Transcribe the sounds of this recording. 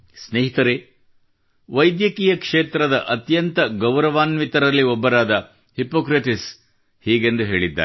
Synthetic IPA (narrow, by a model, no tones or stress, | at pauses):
sneːɦit̪ɐɾe | ʋɐjd̪jɐkiːjɐkʂeːt̪ɾɐd̪ɐʔɐt̪jɐnt̪ɐɡɐwɾɐʋaːnʋit̪ɐɾɐlːiɔbːɐɾaːd̪ɐ | hipoːkɾiʈis | hiːɡe̞nd̪uɦe̞ːɭid̪ːa̰ː